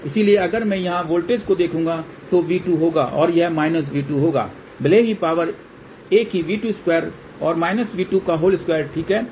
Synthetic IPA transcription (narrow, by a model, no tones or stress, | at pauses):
ɪsilieɐɡəɾmɛ̃jɐɦãʋoːlʈeːd͡ʒkod̪eːkʰũːŋɡa | t̪oʋiːʈuɦoːɡa̰ːʔɔ̰ːɾjɐɦmaːɪnəs̬ʋiːʈuɦoːɡa̰ː | bɪleːʋipaːʋəɾ | eːkɦiʋiːʈuːɪskwɛːɾ | ɔːɾmaːɪnəsʋiːʈukaɦoːlɪskwɛːɾʈʰiːkɦɛː